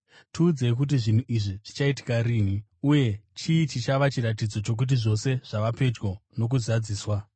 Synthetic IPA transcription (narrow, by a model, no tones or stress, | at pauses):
tʰiːd͡ze̞k̬ut̬iʐin̤uʔiʐiʐ̥it͡ʃaiti̥kaɾiːn̤i | uje̞t͡ʃiːt͡ʃit͡ʃaʋat͡ʃiɾat̬id͡zo̞t͡ʃo̞k̬ut̬iʐo̞se̞ʐ̥aʋape̞d͡ʒɡo̞no̞k̬uzad͡ziːswa